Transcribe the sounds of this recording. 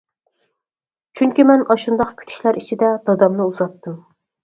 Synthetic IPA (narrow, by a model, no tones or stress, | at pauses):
t͡ʃʰyŋkʲimɛnɑʃund̪ɑqkʲʰy̥t̪ʰy̥ʃlæɾit͡ʃʰid̪ɛd̪̥ɑd̪ɑmnɨuzɑt̪ːu